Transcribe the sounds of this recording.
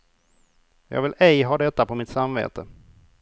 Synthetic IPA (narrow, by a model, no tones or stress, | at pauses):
jɑ̰ːɡvɪlɛjɦɑːd̪ɛt̪ːapɔmɪt̪samvḛːt̪ə